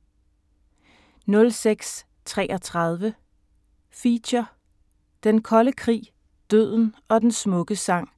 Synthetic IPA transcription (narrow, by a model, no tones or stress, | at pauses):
nɔ̽lseɡ̥s | t͡sʰʁɛːʔɒ̽t͡sʰʁɑð̞ˠʋə | fiɕɐ | d̥enkʰɒ̽ləkʰʁḭː | d̥øð̞̰ˠn̩ɒ̽d̥ensmɔ̽ɡ̥əsɑ̈ŋ̰